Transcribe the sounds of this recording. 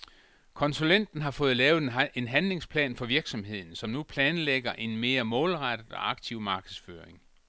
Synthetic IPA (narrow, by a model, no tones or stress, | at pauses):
kʰɒ̽nsulen̰d̥n̩ɦɑ̈fɔ̽ːð̞̩ˠlɛːʊð̩ˠe̝nɦænle̝ŋspʰlɛ̰ːnfɒ̽ʋiɐɡ̥sɒ̽mhe̝ð̞̰ˠn̩sɒ̽mnupʰlɛːnleɡ̥ɐʔe̝nme̝ːɐmɔ̽ːlʁɑd̥əð̩ˠɒ̽ɑ̈ɡ̥̚t͡sʰiʊ̰mɑ̈ːɡ̥əð̩ˠsføːɐʁeŋ